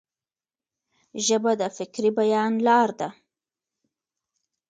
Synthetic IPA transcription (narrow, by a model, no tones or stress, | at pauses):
ʒəbad̪əfɪkɾibajɑnlɑɾd̪a